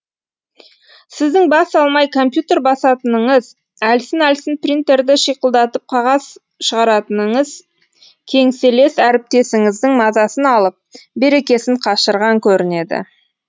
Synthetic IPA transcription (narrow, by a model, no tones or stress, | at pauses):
sɪzd̪ɪŋbɑsɑlˠmɑjkʰo̞mpjut̪e̞ɾbɑsɑt̪ənəɴəz | ælsɪnælsɪnprint̪e̞ɾd̪ɪʃijqəlˠd̪ɑt̪əp̚qʰɑʁɑs | ʃəʁɑɾɑt̪ənəɴəz | kʲʰe̞ŋse̞le̞sæɾɪp̚t̪e̞sɪŋɪzd̪ɪŋmɑzɑsənɑlˠəp̚be̞ɾe̞kʲe̞sɪɴqʰɑʃəɾʁɑŋkʲʰɵɾɪne̞d̪ɪ̰